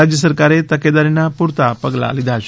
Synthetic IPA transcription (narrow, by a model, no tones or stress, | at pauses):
ad͡ʑjəsəɾkaɾet̪əked̪aɾinːapuɾt̪apəɡla̰lid̪aɕ